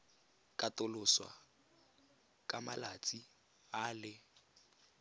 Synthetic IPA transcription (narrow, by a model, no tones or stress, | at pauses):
kʼatʊlʊswa̰ | kʼamalat͡sʼi | aːlɪ